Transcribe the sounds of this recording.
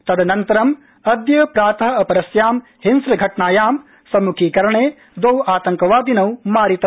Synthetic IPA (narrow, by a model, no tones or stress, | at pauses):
t̪ɐd̪ɐnɐnt̪ɐɾɐm | ɐd̪jɐpɾaːt̪ɐɦɐɐpɐɾɐsjaːm | hinsɾɐɡʱɐʈɳaːjaːm | sɐmukʰiːkɐɾɐɳeː | d̪ɐwaːt̪ɐŋkɐʋaːd̪inɐwmaːɾit̪ɐ